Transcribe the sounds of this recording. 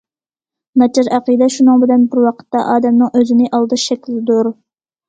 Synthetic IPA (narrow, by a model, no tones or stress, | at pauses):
nɑt͡ʃʰɑɾæqid̪ɛʃunɨŋbɪlɛnbɪɾwɑqʰə̥t̪ːɑʔɑːd̪ɛmnɨŋʔøzɪnɪʔɑlˠd̪ɨʃɛkʲlɪɪd̪uɾ